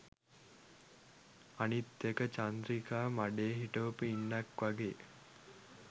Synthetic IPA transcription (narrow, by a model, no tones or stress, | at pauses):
anit̪ːekət͡ʃand̪ɾikaːmaɖeːɦiʈəʋpəinːɐkʋaɡḛː